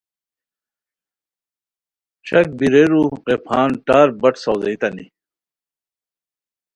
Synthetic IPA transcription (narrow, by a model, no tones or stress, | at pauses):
t͡ɕʰɐk̚biɾeɾuqepʰaːnʈaːɾbɐʈsɐwzɐit̪ɐnḭ